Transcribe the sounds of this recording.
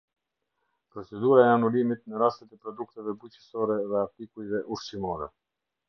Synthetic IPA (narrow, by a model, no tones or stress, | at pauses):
pɾɔt͡sɛd̪uɾaɛanulimit̪̚nəɾast̪ɛt̪ɛpɾɔd̪uk̚t̪ɛvɛbucə̥sɔɾɛðɛat̪ikujvɛʔuɾʃimɔɾɛ̰